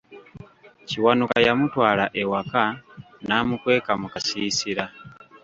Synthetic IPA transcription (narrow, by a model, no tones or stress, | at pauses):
ciwanukajamutwaːlaʔewaka | naːmukwe̞ːkamukasiːsiɾa